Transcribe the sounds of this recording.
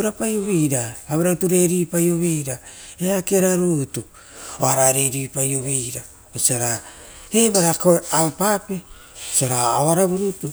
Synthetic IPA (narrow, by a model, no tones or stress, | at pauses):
ɾapajoβejɾaːβeɾautuɾe̞ɾipajoβejɾaeakeɾaɾutu | oaɾaɾeɾipajoβejɾa | mesaɾa | ebaɾakoaupape | saɾaoaɾaβuɾutu